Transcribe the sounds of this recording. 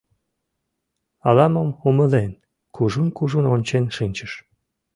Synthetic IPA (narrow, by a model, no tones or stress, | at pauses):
ɑlɑməmuməlen | kuʒunkuʒunonʲt͡ɕenʃinʲt͡ɕəʃ